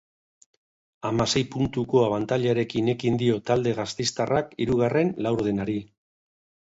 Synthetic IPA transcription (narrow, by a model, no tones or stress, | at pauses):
amase̞jpunt̪uko̞aβant̪aʎeaɾe̞kine̞kind̪io̞t̪ald̪e̞ɣ̞ast̪ejst̪arʔakiɾuɣare̞nlawɾð̞enaɾi